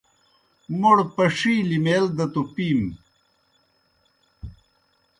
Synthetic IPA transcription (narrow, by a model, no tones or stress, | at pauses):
moɽpɐʂiːlimeld̪ɐt̪upiːm